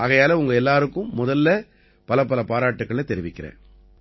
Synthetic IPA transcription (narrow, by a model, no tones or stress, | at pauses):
ʔaɣɐjaːlɐʊŋɡɐɛlːaːɾɯkːɯ̃mːʊðɐlːɐ | pɐlɐpːɐlɐpaːɾaːʈːɯkːɐɭɐt̪ɛɾɪʋɪkːɪɾḛ̃ː